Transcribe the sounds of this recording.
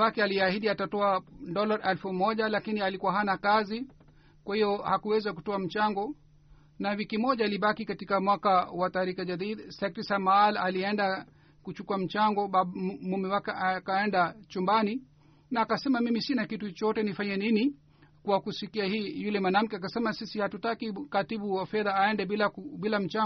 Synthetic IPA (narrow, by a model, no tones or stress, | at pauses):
wakɛaliahiɗiatatɔadɔlaɾɛlfumɔʄalakinialikuwaɦanakazi | kwahijɔhakuwɛzakutɔam̩t͡ʃaŋɡɔ | nawikimɔʄaːliɓakikatikamwakawataɾikaʄaðidsɛk̚ɾisamaːlaliɛnda | kut͡ʃukuam̩t͡ʃaŋɡɔɓamumiwakakaɛndat͡ʃumbani | naːkasɛmamimisinakitut͡ʃɔtɛnifaɲɛnini | kwakusikiahiːjulɛmanam̩kɛak̬asɛmasisihatutakikatiɓuwafɛðaːɛndɛɓilaɓilam̩t͡ʃa